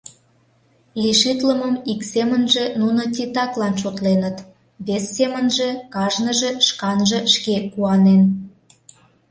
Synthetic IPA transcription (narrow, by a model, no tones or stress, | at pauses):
liʃit̪ləməmiksemənʒĕnunot̬ʲit̪ɑklɑnʃot̪lenət̪ | βesːemənʒĕkɑʒnəʒeʃkɑnʒĕʃkekuɑnen